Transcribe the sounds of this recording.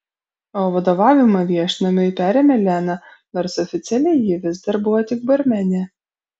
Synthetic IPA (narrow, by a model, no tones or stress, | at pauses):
oːʋɐd̪oːʋɑːʋʲɪmɐʋʲiɛʃʲnɐmʲɪɪpʲæːɾʲeːmʲɛlʲænɐ | noːɾsɔfʲɪt̪sʲɛlʲɛɪjɪʋʲɪzd̪ɐɾbʊʋɔt̪ʲɪk̚bɐɾʲmʲɛnʲe